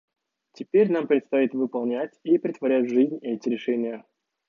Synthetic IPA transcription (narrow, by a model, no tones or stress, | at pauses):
tʲɪpʲeɾʲnampɾʲɪt̪st̪ɐit̪vɨpɐlˠnʲætʲipɾʲɪt̪vɐɾʲætʲʐɨzʲnʲɛtʲɪɾʲɪʂɛnʲɪjə